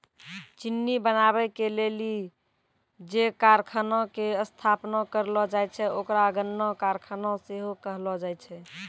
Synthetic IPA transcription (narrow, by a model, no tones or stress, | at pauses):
t͡ʃinːibənaβɛkeleli | d͡ʒekaɾkʰənɔ̃keəst̪ʰapnɔkəɾlɔd͡ʒajt͡ʃʰɛokɾaɡənːɔkaɾkʰənɔ̃seɦokəɦlɔd͡ʒajt͡ʃʰɛ